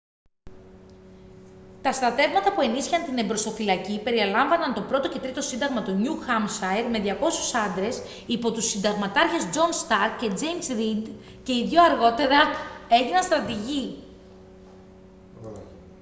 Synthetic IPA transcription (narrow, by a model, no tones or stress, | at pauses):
t̪ɐst̪ɾɐt̪e̞vmɐt̪ɐpue̞nisçiɐnt̪ine̞mbɾo̞st̪o̞filɐcipe̞ɾiɐlɐɱvɐnɐnt̪o̞pɾo̞t̪o̞ce̞t̪ɾit̪o̞sind̪ɐɣmɐt̪o̞ɲuxɐmsɐjɾme̞ðʝɐko̞susɐnd̪ɾe̞s | ipo̞t̪usːind̪ɐɣmɐt̪ɐɾçe̞zd͡ʒo̞nst̪ɐɾkce̞d͡ze̞jmsɾid̪ | ce̞iðʝoɐɾɣo̞t̪e̞ɾɐe̞ʝinɐnst̪ɾɐt̪iʝi